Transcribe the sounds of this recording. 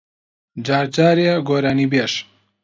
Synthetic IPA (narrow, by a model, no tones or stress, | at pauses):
d͡ʒaːɾt͡ʃaːɾiaɡoːɾaːniːbeːʃ